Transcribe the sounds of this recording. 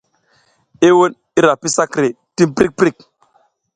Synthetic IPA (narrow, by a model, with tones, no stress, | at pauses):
e˦wo˦n | i˦ɾa˨pi˦sa˦kɾe˨ | ti˦mpɾi˦k̚pɾi˦˨k̚